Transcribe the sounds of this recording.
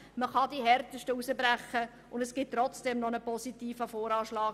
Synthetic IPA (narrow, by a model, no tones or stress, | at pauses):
məχɑdiɦɛrtəʃtəusəbɾæχːə | ʔʊndɛsɡ̥ɪt̚tːɾɔt͡sd̥ɛmnɔnəpɔsitiːfəfoːɾɑːʃlɑː